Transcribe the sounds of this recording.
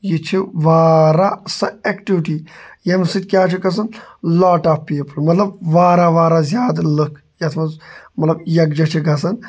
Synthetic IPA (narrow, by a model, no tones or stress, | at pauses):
jit͡ʃʰiʋaːɾasɐekʈiʋiʈijɐmsit̪̚kʲjaːt͡ʃʰiɡɐs̬ɐnlaːʈaːfpiːpəlmɐt̪lɐbʋaːɾaʋaːɾazʲjaːd̪ləkʰ | jɐt̪ʰmɐzmɐt̪lɐbjɐkd͡ʒɐt͡ʃʰiɡɐs̬ɐn